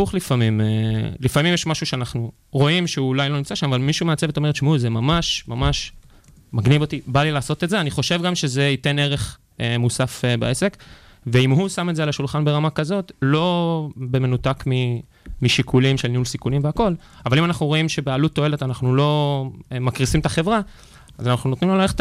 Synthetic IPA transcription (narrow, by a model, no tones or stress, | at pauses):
uχlifamimelifamimjeʃmaʃuʃeanaχnu | ʁo̞imʃeulajlo̞nimt͡saʃamavalmiʃumeat͡seveto̞me̞et̪ʃmuzemamaʃmamaʃ | maɡnivo̞t̪ibalilaːso̞t̪etzeaniχo̞ʃe̞vɡamʃe̞ze̞ite̞ne̞ʁe̞χ | musafbaese̞kveimɦusametzelaʃulχanbe̞ʁamakazo̞t̪lo̞be̞me̞nut̪akmi | miʃikʰulimʃelniulsikulimveako̞l | avalimanaχnuʁo̞imʃe̞bealut̪ːo̞e̞le̞tanaχnulo̞makʁisimt̪aχe̞vʁa | azanaχnuno̞t̪nimlalaeχt